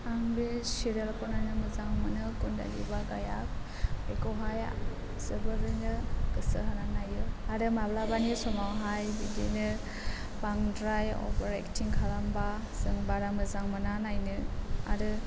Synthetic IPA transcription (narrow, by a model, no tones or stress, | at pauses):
aŋbisiɾelkɔnanɯmɯzaŋmɯnɯkunda̰lḭbaɡaja̰k̚ | ekɔwɦaj | zɯbɯɾɯnɯkɯsɯɦɯnanajɯaɾɯmablabanisɔmawɦajbidḭnɯ | paŋdɾajɔ̰bɾḛktiŋkʰalamba | sɯŋbaɾamɯzaŋmɯnanajnɯa̰ɾɯ